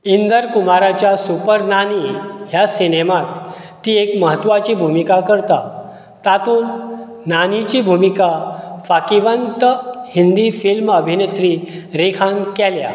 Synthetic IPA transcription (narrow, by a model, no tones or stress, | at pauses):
ind̪əɾkumaɾat͡ɕjasupəɾnaniɦjasinemat̪ː | iːekməɦət̪ʋat͡ɕiːbʱumikakəɾt̪a | t̪at̪uːnː | anit͡ɕibʱumikafakiʋənt̪əhind̪ifilməbʱinet̪ɾiɾekʰankɛlja̰